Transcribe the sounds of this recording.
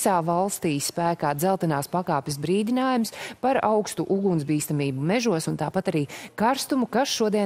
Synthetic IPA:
saːvalˠst̪iːsːpæːkaːd̪zɛlˠt̪ɛnaːspakaːpʲɪsbɾiːd̪inaːjumspaɾawkst̪uʔuɡunz̬biːst̪amiːbumɛʒuɔsunt̪aːpat̪aɾiːkaɾst̪umukasʃuɔd̪iɛ

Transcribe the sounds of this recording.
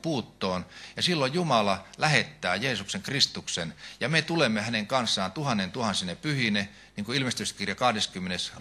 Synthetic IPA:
puːt̪ːoːnjɑsilːojjumɑlɑlæhet̪ːæːjeːsukseŋkrist̪uksenjɑmet̪ulemːehæneŋkɑnsːɑːnt̪uhɑnːent̪uhɑnsinepyhine | niːŋkuilmest̪yskirjɑkɑhdeskymːenes

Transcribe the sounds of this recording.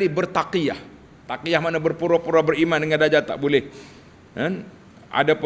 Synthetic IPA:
ibərt̪akiah | t̪akijahmanabərpuɾapuɾabərimandəŋandad͡ʒat̪a̰ʔbolɛh | ən | a̰dap

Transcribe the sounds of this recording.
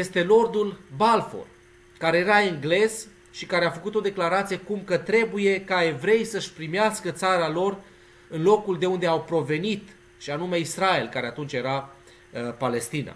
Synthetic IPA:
je̞st̪e̞lo̞rd̪ulbalfo̰l | kaɾe̞jeɾaiŋɡle̞z | ʃikaɾe̞afəkut̪o̞d̪e̞klaɾat̪sijekumkət̪ɾe̞buje̞kae̞vɾe̞jsəʃʲpɾimeaskət̪saɾalo̞r | ɨnlo̞kuld̪e̞und̪e̞awpɾo̞ve̞nit̪ | ʃianume̞israe̞lkaɾe̞at̪unt͡ʃʲje̞ɾa | pale̞st̪ina̰

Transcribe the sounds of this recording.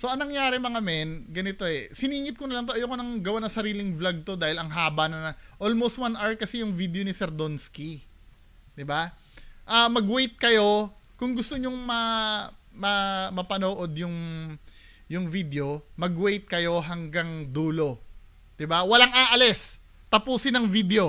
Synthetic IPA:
so̞ɐŋnɐŋjaːɾɛmɐŋɐmɛnɡɐnɪt̪o̞ɛsɪniːŋɪt̪̚konɐlɐŋt̪̬oʔɐjokonɐŋɡɐwanɐŋsɐɾiːlɪŋvlɐɡ̚t̪o̞d̪aːhɪlɐŋɦaːbɐnɐnɐʔolmowst̪̚wanʔɐɹkɐsɛjʊŋvid̪eonɪsɛɾd̪onski | d̪ɪba | ʔɐmɐɡwejt̪̚kɐjo̞kʊŋɡʊst̪oɲoŋmɐ | mɐmɐpɐnoːʔo̞d̪jʊŋ | jʊŋvid̪eo̞mɐɡwejt̪̚kɐjo̞ɦɐŋɡaŋd̪uːlo̞ | d̪̥ɪbawɐlaŋaːʔɐlɛs | t̪ɐpuːsɪnɐŋvid̪eo̞

